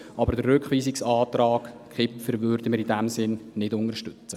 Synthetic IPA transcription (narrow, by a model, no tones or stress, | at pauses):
ʔɑbəɾdərːʏkχʋiːsɪksɑːtɾɑːkkʰɪpfəɾʋøːɾdəməɾidæmsɪnnɪdʊnəɾʃtʏt͡sə